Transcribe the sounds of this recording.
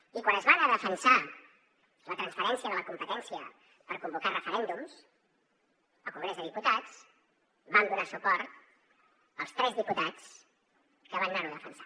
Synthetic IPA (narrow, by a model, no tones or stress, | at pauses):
ikwanəzβanəðəfənsa | lət̪ɾənspəɾɛnsiəðələkumpət̪ɛnsiə | pəɾkumbukarəfəɾɛnd̪ums | əlˠkuŋɡɾɛzðəðiput̪at͡s | band̪unasupɔɾt̪ | əlˠst̪ɾɛzðiput̪at͡s | kəβannaɾuðəfənsḁ